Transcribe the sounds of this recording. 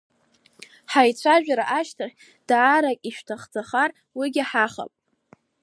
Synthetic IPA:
ħajt͡ɕʷʰaʒᶣaɾaʔaʃtʰaχʲ | d̥aːɾakʲʼiʃᶣtʰaχd͡zaχar | wiɡʲɪħaχa̰pʼ

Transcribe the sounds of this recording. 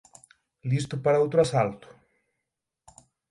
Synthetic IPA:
list̪ʊpaɾɐowt̪ɾʊasalt̪ʊ̥

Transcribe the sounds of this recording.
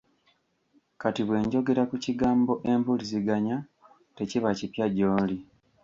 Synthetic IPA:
katiβwe̞ːɲɟo̞ɡe̞ɾakuciɡaːmbo̞ʔe̞mbuliziɡaɲa | te̞ciβacipjaɟoːli

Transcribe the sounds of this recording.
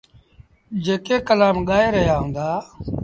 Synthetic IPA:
d͡ʒeːkeːkəlaːmɠaːeːɾəɦjaːɦõːnd̪aː

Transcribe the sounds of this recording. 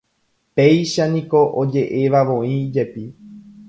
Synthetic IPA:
pe̞jʃanĩko̞ʔod͡ʒe̞ʔeʋaʋõ̞ĩd͡ʒe̞pi

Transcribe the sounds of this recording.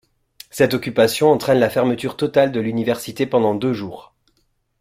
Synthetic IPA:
sɛt̪ɔkʲypasjɔ̃ɑ̃t̪χɛnlafɛʁmət̪yʁt̪ɔt̪ald̪əlynivɛʁsit̪epɑ̃d̪ɑ̃d̪øʒuːʁ

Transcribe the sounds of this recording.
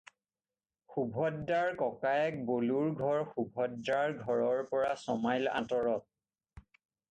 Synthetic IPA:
xubʱɔddaɹkɔkajɛk̚boluɹɡʱɔɹxubʱɔddaɹɡʱɔɹɔɹpɔɹasɔmajlã̰tɔɹɔt̚

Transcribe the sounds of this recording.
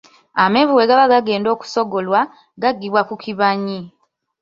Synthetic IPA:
amevuwe̞ɡaβaɡaɡe̞ːndo̞ːku̥so̞ɡo̞lwa | ɡaɡːiβwakukʰiβaɲi

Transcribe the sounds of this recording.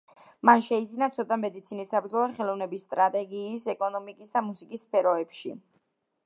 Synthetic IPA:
manʃɛid̪zinat̪sʰɔt̪ʼamɛd̪it̪sʰinisabɾd̪zɔlˠaχɛlˠɔvnɛbisːt̪ʼɾat̪ʼɛɡiːsɛkʼɔnɔmikʼisd̪amusikʼisːpʰɛɾɔɛpʃḭ

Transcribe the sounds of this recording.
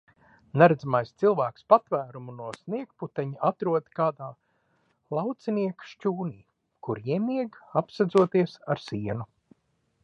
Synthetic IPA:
naɾad̪zamajst̪silˠvæːkspat̪væːɾumunuɔsniɛkput̪ɛɲiat̪ɾuɔd̪kaːd̪aː | lˠɑwt̪sɛniɛkʃcuːniː | kuɾjiɛmiɛɡapsad̪zuɔt̪iɛsaɾsiɛnu

